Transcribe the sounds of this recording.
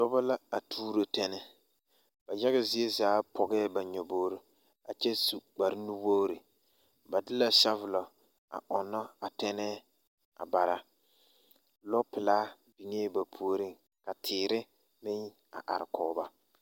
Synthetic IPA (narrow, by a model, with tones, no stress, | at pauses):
dɔ˦ba˦la˦a˨tʰuː˦ɾo˨tɛ˦nɛ˦ | b̥a˨d͡ʒɛ˦ɣa˨zi˨˦e˦zaː˨˦pʰɔ˨ɡɛː˦ba˨ɲɔ˨boː˦ɾi˨ | a˨t͡ʃɛ˦su˨ɡ͡ba˨ɾɪ˦nu˦bo˦ɾi˨ | ba˨dɪ˦la˨ʃa˦vʊ˨lɔ˨ | a̰˨ʔɔ˨nːɔ˦a˨tɛ˦nɛː˦ | a̰˨ba˨ɾa˨ | lɔ˦pɪ˨laː˦ | bi˨ŋe˦ba˨pʰu˦o˦ɾi˦ŋ | ka˨tʰɪː˨ɾɪ˦ | mɪ˦ŋ | a̰˨ʔa̰˨ɾɪ˨kɔː˨˦ba˦